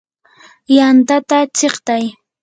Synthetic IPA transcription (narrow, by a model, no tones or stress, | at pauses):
jant̪at̪at͡ʃeχt̪aj